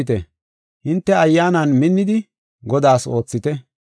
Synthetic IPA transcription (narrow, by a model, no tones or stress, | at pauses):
ɪt̪ɛ | hɪnt̪ːɛɐjːaːnɐnmɪnːɪd̪ɪ | ɡɔd̪aːso̞ːt͡sːɪt̪ɛ